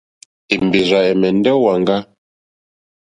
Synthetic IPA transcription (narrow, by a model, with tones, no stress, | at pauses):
i˨mbi˨za˨ɛ˨mɛ˨n˦dɛ˦wa˨ŋɡa˦